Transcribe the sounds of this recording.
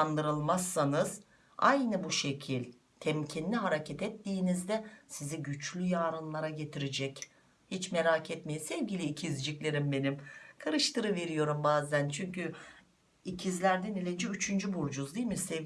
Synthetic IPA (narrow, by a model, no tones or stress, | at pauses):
and̪ɯɾɯlˠmasːanɯz̥ | ajnɯbuʃe̞cʰilʲ | t̪ʰɛmcʰinlʲiɦaɾacʰɛt̪ɛt̪ːiːnizd̪ɛsiziɟyt͡ʃlʲyjaːɾɯnlˠaɾaɟe̞t̪ʰiɾed͡ʒɛc | hit͡ʃmeɾaːcʰɛt̪me̞jisɛvɟilʲiːcʰizd͡ʒiclʲe̞ɾimbe̞nimkʰaɾɯʃt̪ʰɯɾɯve̞ɾijo̞ɾumbaːzænt͡ʃʰyɲcy | icʰizlʲæɾd̪ɛnilʲed͡ʒiyt͡ʃʰynd͡ʒybuɾd͡ʒuzd̪ijlʲmisɛ